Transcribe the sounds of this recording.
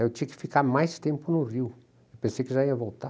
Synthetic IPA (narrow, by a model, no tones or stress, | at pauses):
ewt̪ĩɲɐkɪ̥fikaɾmajʃt̪ẽmpʊnʊʁiw | ewpẽsejkɪʒaiɐvolˠt̪a